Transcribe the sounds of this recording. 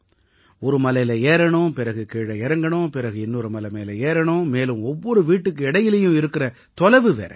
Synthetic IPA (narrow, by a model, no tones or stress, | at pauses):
ɔɾɯmɐlɐɪlɐeːɾɐɳʊ̃pɪɾɐɣɯkeːɽɐɪɾɐŋɡɐɳõpɪɾɐɣɯɪnːoɾɯmɐlɐmeːlɐeːɾɐɳõmeːlɯ̃mɔʋːɔɾɯʋiːʈːɯkːɯɛɽɐjɪlɐjʊ̃ɪɾɯkːɪɾɐ | t̪ɔlɐʋɯʋḛːɾɐ̰